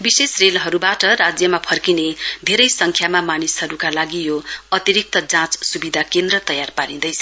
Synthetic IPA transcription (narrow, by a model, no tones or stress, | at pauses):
bisesrelɦʌɾubaʈʌɾad͡zjʌmapʰʌrkined̪ʱeɾʌjsʌŋkʰjamamanisɦʌɾukalaɡijoʌt̪iɾik̚t̪ʌd͡zãt͡ssubid̪ʱakend̪rʌt̪ʌjarpaɾind̪ʌjt͡sʰ